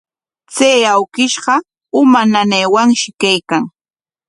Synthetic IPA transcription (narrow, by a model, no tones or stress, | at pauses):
t͡saːawkɪʃɢɑ | ʊmananejwaŋʃɪkajkaŋ